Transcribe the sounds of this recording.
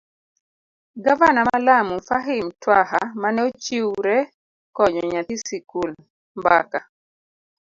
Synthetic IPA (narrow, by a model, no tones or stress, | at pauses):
ɡavanamalamufaɦimtwaɦa̰manɛot͡ʃiwɾɛ | kɔɲɔɲat̪isikul | mba̰ka